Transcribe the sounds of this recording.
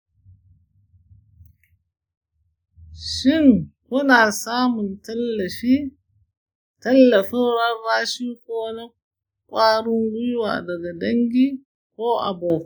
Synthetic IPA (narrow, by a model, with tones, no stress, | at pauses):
ʃɪ˦˨ŋkʊ˦naː˨saː˦mʊ˨ntɐ˦lːɐ˨i˦ | tɐ˦lːɐ˨ɸɪ˦nɾɐ˦rːaː˦ʃiː˦kʷoː˦na˦ | kʷʼaː˦ɽʊ˦ŋɡʊ˦jʊ˦wa̰ː˨dɐ˨ɡa˨dɐ˦ŋɡʲiː˦ | kʷoː˦ʔa̰˨boː˨